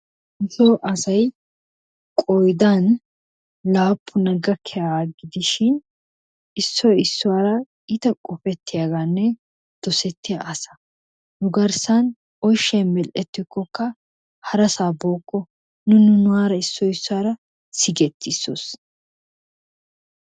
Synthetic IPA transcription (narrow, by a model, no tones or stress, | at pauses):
ɪzoːʔɐsɐj | kʼɔjd̪an | laːpʰːʊnɐɡɐkʰːɛjaːɡɪd̪ɪʃɪn | ɪsːɔɪsːʊwaːɾɐ | ɪt̪ɐkʼʊfɛt̪ːɪjaːɡanːɛ | d̪̥ɔsɛt̪ːɪjaʔɐsɐ̥ | nʊɡɐɾsɐn | ɔjʃːɛjmɛlʔɛt̪ːɪkːɔkːɐ | hɐɾɐsaːbo̞ːkːɔ | nʊnʊnʊaːɾɐɪsːɔɪsːʊwaːɾɐ | sɪɡɛt̪ːɪsːo̰s